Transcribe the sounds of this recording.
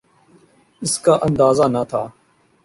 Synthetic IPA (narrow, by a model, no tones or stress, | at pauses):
ɪskaːʔənd̪aːzaːnat̪ʰaː